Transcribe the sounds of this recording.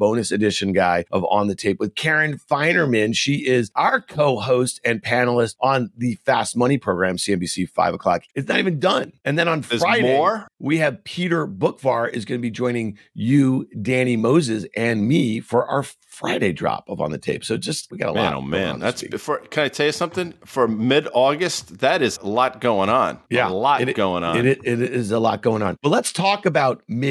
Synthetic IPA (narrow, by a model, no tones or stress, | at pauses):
b̥õʊ̃nɨsɨdɪʃɨ̃nɡaɪʔʌvə̰̃nðɨtʰeɪpwɨð̥kʰɛɹɨ̃nfãɪ̃nə˞mɪ̃nʃiɪzʔaə˞kʰoʊɦoʊstɨ̃npʰænl̩ˠəstn̩ðɨfæst̚mʌɾ̃ipʰɹ̥oʊɡɹæ̃msiɛ̃nbisifa̰ɪvəkʰl̥ɑkɨtsnɨɾivɨ̃n̩dʌ̃nɨ̃nðɨ̃nə̃nfɹaɪdeɔɹwiɨv̥pʰiɾə˞bʊkfɑ̰ɹʔɪzɡʌnɨbid͡ʒɔ̃ɪ̃ñɪ̃ŋ | jɨdæ̃ñimoʊzɨzɨ̃nmifə˞ʔə˞fɹaɪɾeɪdɹɑ̰pʌpʰn̩ðɨtʰeɪpsoʊd͡ʒʌst̚wiɡɛ̰ɾə̰l̰no̰ʊm̰æ̰̃ñ̰ðæ̰tsḭfə˞kʰɨ̃naɪtʰɛlˠjɨsʌ̃mθɪ̃ŋfə˞mɪɾɔɡɨst̚ðɨɾɨzəlɑt̚ɡ̥oʊɪ̃ŋə̃njælɑɾɡ̥oʊɪ̃ŋə̰ɪɾɪɾɪɪzəlɑ̰t̚ɡ̥oʊɪ̃ŋə̃nb̥ʌtˡlətstʰɔkɨbaʊt̚mɪ